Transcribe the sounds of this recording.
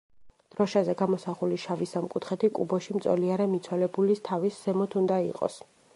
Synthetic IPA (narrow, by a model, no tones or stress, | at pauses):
d̪̥ɾɔʃazɛɡamɔsaχuliʃavisamkʼut̪ʰχɛt̪ʰikʼṵbɔʃimt̪sʼɔ̰liaɾɛmit̪sʰwɛlɛbulist̪ʰavisːɛmɔt̪ʰund̪aḭqʼɔ̰s